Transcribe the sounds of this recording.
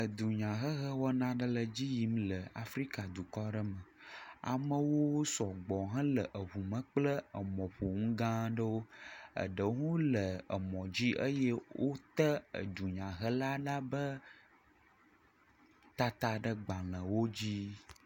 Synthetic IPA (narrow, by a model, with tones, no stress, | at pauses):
ə˨d̪u˨ɲã˨ɦə˦ɦə˦wɔ˦nã˦ɖə˦lə˨d͡ʑi˦ji˦mlə˨a˨fɾi˦ka˨d̪u˨kɔ˦ɖə˦mə˨a̰˨mə˦wo˦sɔ˨ɡ͡bɔ˨ɦə̃˦lə˨ʔə˨βu˨mə̃˨k͡plə˦ə˨mɔ̃˨ɸo˨ŋ̩˦ɡã˦ɖə˦wo˦ə̰˨ɖə˨˦ŋũ˦lə˨ə̰˨mɔ̃˨d͡ʑi˦ʔə˦jɛ˦wʔo˦t̪ə˦ə̰˨d̪u˨ɲã˨ɦə˦la˦ɖa˦bə˦ | t̪a˦t̪a˦ɖə˦ɡ͡bã˨lə̃˨wo˦d͡ʑi˦